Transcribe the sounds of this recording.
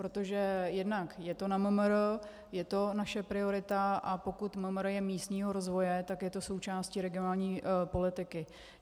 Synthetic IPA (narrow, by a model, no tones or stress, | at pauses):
pɾo̞t̪o̞ʒɛjɛdnakjɛt̪o̞naməmɾ | jɛt̪o̞naʃɛpɾɪo̞ɾɪt̪aʔapo̞kut̪məmɾjɛmiːst̪ɲiːɦo̞ɾo̞zvo̞jɛt̪akjɛt̪o̞so̞wt͡ʃaːsciːɾɛɡɪonaːlɲiːpo̞lɪt̪ɪkɪ